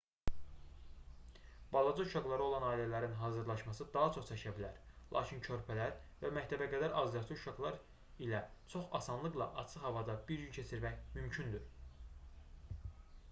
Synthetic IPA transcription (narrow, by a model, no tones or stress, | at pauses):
b̥ɑlˠɑd͡ʒɯuʃɑɡlˠɑɾɯo̞lˠɑnɑːilælæɾinɦɑːzɯɾlˠɑʃmɑsɯd̪ɑɦɑt͡ʃʰo̞χt͡ʃ̪ʰɛʃʰæbilæɾlˠɑ̰ːcʰincʰø̞ɾpʰælæɾvæmæct̪ʰæbæɡæd̪æɾɑzljɑt͡ʃ̪ʰɯuʃɑɡlˠɑɾ | ilæt͡ʃʰo̞χɑsɑnlˠɯklˠɑʔɑ̰t͡ʃʰɯχhɑvɑd̪ɑbiɾɟyncʰet͡ʃʰiɾmæçmymcʰynd̪yɾ